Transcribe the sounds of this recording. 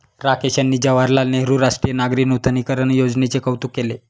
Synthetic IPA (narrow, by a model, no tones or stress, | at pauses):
ɾakeɕanːiːd͡ʑəʋaɾlalneɾuɾaʂʈɾijənaɡɾiːnut̪ʰəniːkəɾənjod͡znet͡sekəwt̪ukːele